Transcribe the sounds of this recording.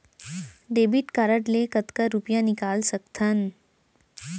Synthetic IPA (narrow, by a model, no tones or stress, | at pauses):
ɖeːbiʈkaɾəʈlekət̪kəɾupjãnikaːlsək̚t̪ʰən